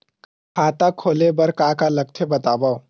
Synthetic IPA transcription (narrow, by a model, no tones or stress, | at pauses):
kʰaːt̪akʰoːlebɐɾkaːkalɐk̚t̪ʰebɐt̪aːbao